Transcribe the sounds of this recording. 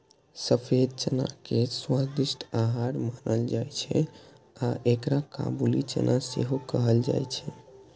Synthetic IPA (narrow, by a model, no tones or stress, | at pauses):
səpʰed̪̚t͡ʃəna̰keswad̪isʈaɦaɾmanəld͡ʒajt͡ʃʰɛ | aʔekɾaka̰bulit͡ʃə̰nʔasḛɦokəɦəld͡ʒa̰jt͡ʃʰɛ